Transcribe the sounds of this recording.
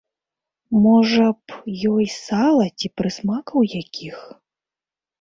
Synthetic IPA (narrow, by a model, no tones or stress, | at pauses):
mɔʐɐpjɔjsalˠɐt͡sʲipɾɨsmakɐwjakʲix